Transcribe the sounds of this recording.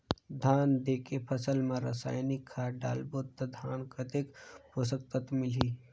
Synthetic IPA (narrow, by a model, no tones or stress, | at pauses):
d̪ʱaːnd̪eːkepʰəsəlmẽɾə̰sa̰ːjnikʰːaːɖa̰ːlboːt̪ːɐd̪ʱaːnkət̪ekposək̚t̪ət̪mɪliː